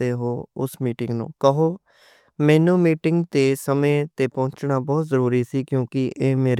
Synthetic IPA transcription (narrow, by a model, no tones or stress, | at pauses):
eːɦoːʊsmiːʈɪ̃ŋɡnṵ̃ːkəɦoː | mɛ̃ːnũːmiːʈɪŋɡt̪eːsəmẽːt̪eːpɔ̃ːɲt͡ʃnaːbɔːt̪zəɾuːɾiːsiːkjõːkɪʔeːmeːɾ